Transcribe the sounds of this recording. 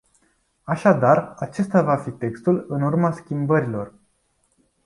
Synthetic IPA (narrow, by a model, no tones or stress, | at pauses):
aʃad̪arat͡ʃe̞st̪avafit̪e̞kst̪ulɨnurmaskʲimbəɾilo̞r